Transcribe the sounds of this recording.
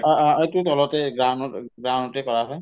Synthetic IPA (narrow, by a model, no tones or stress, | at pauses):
ejtutɔlɔtɛɡɹanɔɡɹanɔtɛkɔɹaɦɔj